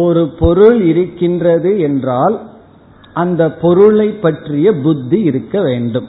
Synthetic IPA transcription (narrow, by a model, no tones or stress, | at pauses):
ɔɾɯpɔɾɯɭɪɾɯkːɪndrɐðɯɛndraːl | ʔɐnd̪ɐpːɔɾɯɭɐɪpːɐʈrɪjɐbʊd̪ːiɪɾɯkːɐʋeːɳɖɯm